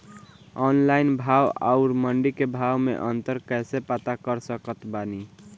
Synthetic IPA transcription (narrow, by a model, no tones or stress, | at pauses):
ɔnlainbʱawa̰ʊɾməɳɖikebʱawmḛʔənt̪əɾkɛsepat̪akəɾsəkət̪bani